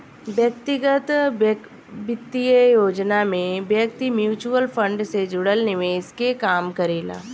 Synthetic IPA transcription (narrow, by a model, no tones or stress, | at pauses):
ʋjək̚t̪ɪɡət̪ | bɪt̪ːiəjoːd͡ʒnamẽʋjək̚t̪imjuːt͡ʃuəlfʰə̃ɳɖsed͡ʒʊɽəlnemẽɪskekaːmkɐɾiːla̰ː